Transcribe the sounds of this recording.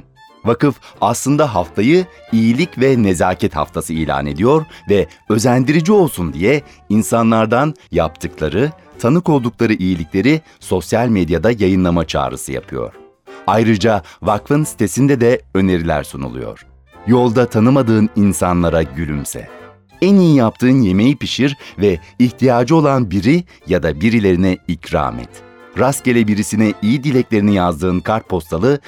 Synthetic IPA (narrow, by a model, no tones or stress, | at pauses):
vakɯfaslˠɯnd̪aɦaft̪ʰajɯ | ijilʲicvɛne̞zaːcʰɛt̪ha̰ft̪ʰasɯḭjlʲa̰ːne̞d̪ijo̞ɾvɛø̞zænd̪iɾid͡ʒio̞lˠsund̪ijɛ | insanlˠaɾd̪anjapt̪ʰɯklˠaɾɯ | t̪ʰanɯko̞lˠd̪uklˠaɾɯʔijilʲiclʲe̞ɾi | so̞sjalʲmed̪jad̪ajajɯnlˠamat͡ʃʰa̰ːɾɯ̰sɯja̰pʰɯjo̞̰ɾ̥ | ajɾɯd͡ʒavakfɯnsi̥t̪ʰe̞sind̪ɛd̪ɛø̞ne̞ɾilʲæ̰ɾsunṵlˠṵjo̰ɾ̥ | jo̞lˠd̪at̪ʰanɯmad̪ɯːninsanlˠaɾaɟylʲymsɛ̰ | ænijijap̚t̪ʰɯːnje̞me̞jipiʃiɾvɛiçt̪ʰijaːd͡ʒɯo̞lˠanbiɾi | jad̪abiɾilʲe̞ɾinɛicɾa̰ːmɛ̰t̪ | ɾascelʲɛbiɾisinɛʔijid̪ilʲɛclʲeɾinijazd̪ɯːnkʰaɾt̪̚pʰo̞st̪ʰalˠɯ